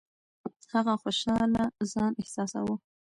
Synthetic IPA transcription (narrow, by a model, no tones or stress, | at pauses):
haɣaxoʃɑlazɑnɪhsɑsa̰wə